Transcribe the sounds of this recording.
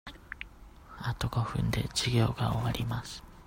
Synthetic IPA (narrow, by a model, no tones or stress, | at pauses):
at̪oɡo̞ɸɯ̟̃nd̪e̞̰d͡ʑiɡʲo̞ːɡao̰βaɾʲimasɨ̥